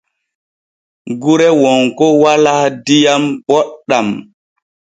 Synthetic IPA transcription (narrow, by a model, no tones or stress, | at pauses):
ɡuɾɛwɔŋkɔwaladijambɔɗːam